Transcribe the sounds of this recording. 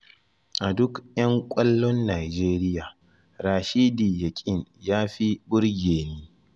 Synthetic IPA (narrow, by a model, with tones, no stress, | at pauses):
ʔa˨dʊ˦kjɐ˦ŋkʷʼɐ˦lːɔ˦nːaː˨d͡ʒeː˦ɾɪ˦jaː˨ | ɾaː˨ʃiː˦diː˨jɐ˨kʲʼɪ˦ŋjaː˦ɸi˦bʊ˦ɽɡʲeː˨niː˦